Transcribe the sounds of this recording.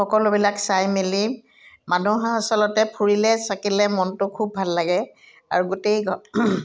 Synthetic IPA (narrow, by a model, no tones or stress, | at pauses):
ɔkɔlʊbilaksajmili | manuɦaasɔlɔtɛpʰuɹilɛsakilɛmɔntʊkʰubʱalːaɡɛ | a̰ɹuɡotejɡɔ